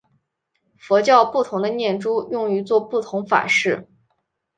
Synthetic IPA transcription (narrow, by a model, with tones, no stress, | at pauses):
fɔ˧˥t͡ɕjɑ˥˧ʊpu˥˩t̪ʰʊ˧˥ŋd̪ə˧njɛ˥˩nʈ͡ʂu˥jʊ˥˩ŋy˧˥t͡swɔ˥˧pu˥˩t̪ʰʊ˧˥ŋfa̰˨˩ʂɻ̩˥˩